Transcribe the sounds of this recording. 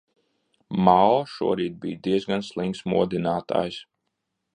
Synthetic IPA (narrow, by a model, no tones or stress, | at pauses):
malˠʃṵɔɾiːd̪̚biːjd̪iɛzɡanslˠiŋksmṵɔd̪inaːt̪a̰ːjs